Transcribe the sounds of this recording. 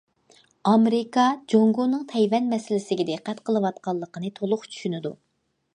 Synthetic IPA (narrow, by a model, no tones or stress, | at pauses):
ɑmeɾɪkɑd͡ʒoŋɡonɨŋt̪ʰɛjwɛnmɛsɪlɪsɪɡʲɛd̪ɪqːæt̪qʰəlˠɨwɑt̪̚qɑlˠːəqənɨt̪ʰolˠʊχt͡ʃʰy̥ʃynɪd̪u